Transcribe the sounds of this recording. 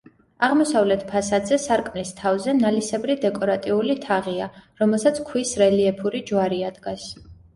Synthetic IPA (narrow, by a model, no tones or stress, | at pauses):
aʁmɔsavlɛt̪ʰpʰasad̪zɛsaɾkʼmnist̪ʰavzɛnalisɛbɾid̪ɛkʼɔɾat̪ʼiulit̪ʰaʁiaɾɔmɛlˠsat̪sʰkʰwisɾɛliɛpʰuɾid͡ʒwaɾiad̪ɡas